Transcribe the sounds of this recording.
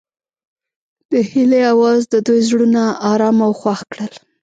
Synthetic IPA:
d̪̥əhileawɑzd̪əd̪ujzɽunaːɾɑmawxwaxkɽəl

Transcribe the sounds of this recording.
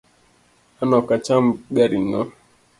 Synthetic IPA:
anɔkat͡ʃam̩ɡaɾinɔ

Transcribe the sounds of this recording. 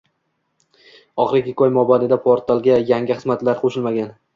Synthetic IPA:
ɒχɾɪɡʲɪkʲɒjmɒbanɪd̪apʰoɾt̪ʰalˠɡʲajaŋɡʲɪχɨzmat̪laɾqʰoʃɪlmaɡʲan

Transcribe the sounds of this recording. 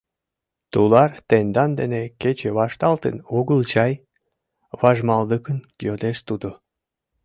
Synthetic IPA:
t̪ulɑrt̪end̪ɑnd̪ḛneket͡ɕeβɑʃt̪ɑlt̪ə̰nuɣəlt͡ɕɑj | βɑʒmɑld̪əkən | jod̪eʃt̪ud̪o

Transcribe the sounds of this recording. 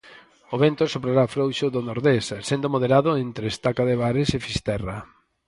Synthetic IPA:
oβent̪ʊsopɾaɾafɾowʃʊðonoɾðessend̪omoðeɾaðʊent̪ɾest̪akaðeβaɾesefist̪ɛra

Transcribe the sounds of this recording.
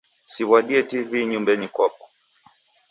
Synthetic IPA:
siwaɗiɛtiviɲumbɛɲikwɔp̚ɔ̥

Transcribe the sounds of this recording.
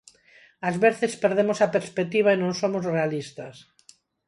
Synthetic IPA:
azβeɾθespeɾð̞emosapeɾspek̚t̪iβ̞aenõnsomozrealist̪ɐs

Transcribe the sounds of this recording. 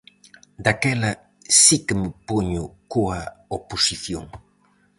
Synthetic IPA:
d̪akelə | sikəməpuɲukuaoposiθjo̰ŋ

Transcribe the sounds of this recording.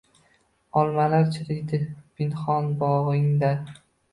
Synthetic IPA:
ɒlˠmalaɾt͡ʃʰɪd̪ejd̪ɪb̥ɪnχɒnbɒʁɪŋd̪a

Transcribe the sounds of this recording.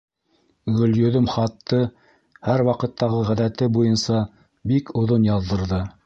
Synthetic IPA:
ɡɵ̆ljɵ̆ðɵmχɑt̪ːɤ | hæɾwɑqɤ̆t̪ːɑʁɤʁæðæt̪ɘbujɤnsɑ | bikʰŏðonjɑðːɤ̆ɾðɤ

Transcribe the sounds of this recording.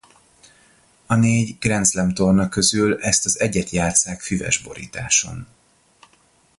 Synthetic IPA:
ɒneːɟɡ̥rɛnt̪slɛmt̪o̞rnɒkøzylɛst̪ɒzɛɟɛt̪jaːt̪saːkfyvɛ̰ʒbo̞̰ɾḭːt̪aːʃo̞̰n

